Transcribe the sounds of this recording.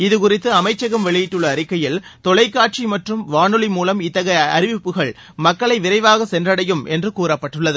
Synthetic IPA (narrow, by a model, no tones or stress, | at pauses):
ɪðɯkʊrɪt̪ːɯɐmɐɪt͡ʃːɐɣɐmʋɛɭɪjɪʈːɯɭːɐːɾɪkːɐjɪlt̪ɔɭɐɪkːaːʈ̚t͡ʃimɐʈrɯmʋaːnɯɭimuːlɐmɪt̪ːɐɣɐɪɐ̰ɾɪʋɪpːɯɣɐɭ | mɐkːɐɭɐɪʋɪɾɐɪʋaːɣɐsɛndrɐɽɐjɯmʔɛndrɯkuːɾɐpːɐʈːɯɭːɐðɯ